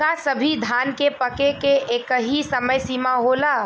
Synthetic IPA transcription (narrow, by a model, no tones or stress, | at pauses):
asəbʱid̪ʱankepəkekeekəɦisəməjsimaɦola